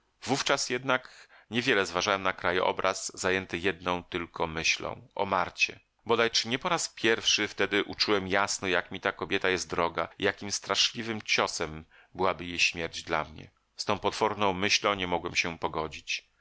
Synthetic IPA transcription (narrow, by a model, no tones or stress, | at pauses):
vuft͡ʂasjɛd̪nak | ɲɛvʲjɛlɛzvaʐawɛmnakɾajʔɔ̰bɾazːajɛnt̪ɘjɛd̪̚nɔ̃w̃t̪ɘlkʰɔmɘɕlɔ̰̃w̃ʔɔ̰maɾt͡ɕɛ̰ | bɔd̪ajt͡ʂɘɲɛpɔɾaspʲjɛɾfʂɘft̪ɛd̪ɘʔut͡ʂuwɛmjasnɔjakmʲit̪akɔbʲjɛt̪ajɛst̪d̪ɾɔɡa̰ijakʲimst̪ɾaʂlʲivɘmt͡ɕɔsɛm | bɘwabɘjejɕmʲjɛɾd͡ʑd̪la̰mɲɛ̰ | st̪ɔ̃w̃pɔt̪fɔɾnɔ̃w̃mɘɕlɔ̃w̃ɲɛmɔɡwɛmɕɛpɔɡɔd͡ʑit͡ɕ